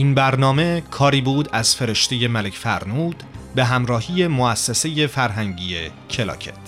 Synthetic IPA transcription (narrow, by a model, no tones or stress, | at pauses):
ʔiːnbæɾnɒːme̞kʰɒːɾiːbuːd̪æz̥fe̞ɾeʃt̪ʰe̞je̞mælecʰfæɾnuːd̪̥be̞ɦæmɾɒːhiːje̞moæsːese̞jefæɾɦæŋɟije | cʰe̞lɒ̰ːcʰḛt̪ʰ